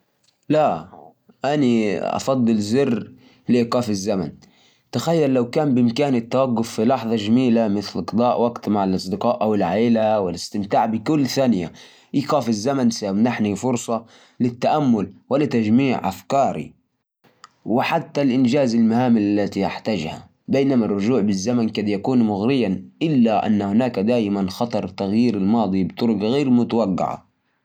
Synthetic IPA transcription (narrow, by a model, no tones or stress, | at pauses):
la | ʔaniʔɑ̰fɑd̪ˤːɨlzɪrː | lɪʔiːqɑːfɪzːama̰n | t̪axajːalːawkaːmbɪʔɪmkaːnɪt̪ːawaɡːʊfːilɑħðˤɑd͡ʒamiːlamɪθlʔɑqd̪ˤɑːʔwaɡt̪maʕalʔɑsˤd̪ɪqɑːʔʔawɪlʕaːlawɪlɪst̪ɪmt̪aːʕbɪkʊlːθaːnɪja̰ | ʔiːqɑːfɪzːamansamnaħnifʊɾsˤɑ | lɪt̪ːaʔamːʊlwɪlɪt̪ːad͡ʒmiːʕʔa̰fkɑːɾḭ | wɪħat̪ːalʔɪnd͡ʒaːzalmahaːmɪlalːat̪ijaħt̪ad͡ʒha̰ | beːnamarˤːʊd͡ʒuːʕbɪzːamankɑd̪jakuːnmʊɣɾɪjːaʔɪlːaʔa̰nːahʊnaːkad̪aːjʔɪmanxɑt̪ˤɑɾˤt̪aɣjiːɾalmɑːd̪ˤibt̪ˤʊɾʊkɣeːɾmʊt̪awaɡːɪ̰ʕa̰